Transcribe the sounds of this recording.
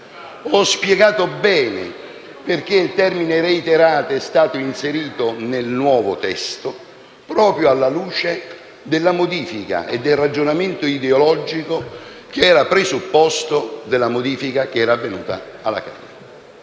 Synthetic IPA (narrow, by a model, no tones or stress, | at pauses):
ɔspjɛɡaːt̪obɛːnɪ̰ | perk̟eilt̪ɛrminɪɾeit̪eɾaːt̪oɛst̪aːt̪oinseɾiːt̪onelnwɔːvʊt̪ɛst̪o | pɾɔːpɾjoalːaluːt͡ʃe | d̪ɪlːamod̪iːfika̰ʔḛd̪ːelrad͡ʒonament̪ʊid̪eolɔd͡ʒiko | k̟eɛːɾapɾezupːɔst̪od̪elːamod̪iːfikak̟eɛːɾaːvːenṵːt̪a̰ala̰ka̰ːne